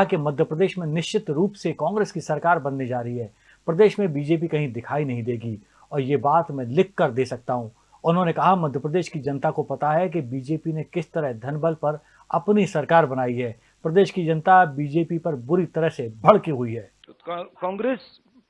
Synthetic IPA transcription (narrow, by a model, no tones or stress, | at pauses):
akemɐd̪ʱjəpɾɐd̪eːʃmẽnɪʃt͡ʃɪt̪ɾuːpsekɔ̃ːŋɡɾeːskisɐɾkaːɾbɐnːid͡ʒaːɾɐɦiɦɛː | pɾɐd̪eːʃmẽbiːd͡ʒeːp̬ikɐɦĩd̪ɪkʰaːinɐɦĩd̪eːɡi | ɔːɾjebaːt̪mɛ̃lɪkːɐɾd̪eːsɐk̚t̪aɦũ | ʊʊnɦõnekɐɦamɐd̪ʱjəpɾəd̪eːʃkid͡ʒɐnt̪akopɐt̪aɦɛk̬ebiːd͡ʒeːpinekɪst̪ɐɾəɦd̪ʱɐnbəlpɐɾ | ɐpnisɐɾkaːɾbɐnaːiɦɛː | pɾɐd̪eːʃkid͡ʒɐnt̪abiːd͡ʒeːpipɐɾbʊɾit̪ɐɾəɦsebʱɐɽkiɦʊiɦɛː | kɔ̃ːŋɡɾeːs